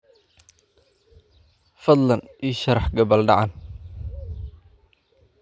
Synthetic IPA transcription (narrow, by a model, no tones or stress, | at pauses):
fɐd̪lɐniʃɐɾɑħɡɐβɐlɖɑʕɑn